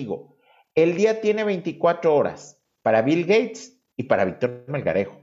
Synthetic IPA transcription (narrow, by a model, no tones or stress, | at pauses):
iɣo̰ | eld̪iat̪je̞ne̞βejnt̪ikwat̪ɾooɾa̰s | paɾaβilɡejt̪s | ipaɾaβik̚t̪oɾɾmelɣa̰ɾexo̥